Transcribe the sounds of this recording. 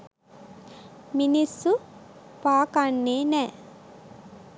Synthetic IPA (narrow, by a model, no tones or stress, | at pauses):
minisːu | paːkanːeːnɛː